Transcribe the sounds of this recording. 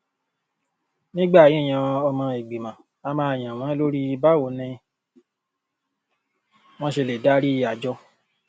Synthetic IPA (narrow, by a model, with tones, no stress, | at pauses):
nĩ˦ɡ͡ba˦˨jĩ˦˨j̃ã˧ɔ˧mã˧e˨ɡ͡bi˨mã˨ | a˧mãː˧˦˨j̃ã˨w̃ã˨˦lo˦ɾi˦i˧ba˦˨o˨˦nɛ̃˧ | w̃ɔ̃˦ʃe˧le˨da˦ɾi˦˧a˨d͡ʒɔ˧˦